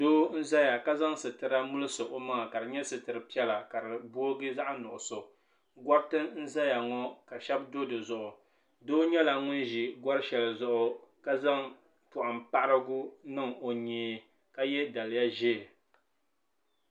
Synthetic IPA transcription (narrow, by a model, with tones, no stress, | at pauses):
doː˦n̩˦za˦ja˨ka˦za˦ŋsɨ˨tɨ˨ɾa˦mʊ˦lɨ˦sɨ˨ʔo˦maː˦˨ka˨dɨ˨ɲɛ˦sɨ˨tɨ˨ɾɨ˨pi˦ɛ˦la˨ka˨ɾɨ˨bo˦ɡɨ˦za˦ʔnʊ˨ʔʊ˨so˨ | ɡʷɔ˦b̚tɨ˦n̩˦za˦ja˨ŋɔ˦ka˨ʃɛ˦bdo˦dɨ˨zʊ˨ʔʊ˨ | doː˦ɲɛ˦la˨ŋʊ˦nʒi˨ɡʷɔ˦ɾɨ˦ʃɛ˨lzʊ˦˨ʔʊ˨ka˦za˦ŋ | pʊ˨ʔa˨mpa˦ɾɨ˦ɡu˦nɨ˦ŋo˨ɲeː˨ | ka˦jɛ˦da˨lɪ˨˦ja˦ʒeː˦˨